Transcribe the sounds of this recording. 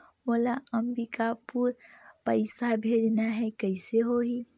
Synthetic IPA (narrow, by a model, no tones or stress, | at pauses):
molaəmbikapuɾpəɪsabʱed͡ʒnaɦɛkəɪseɦoɦi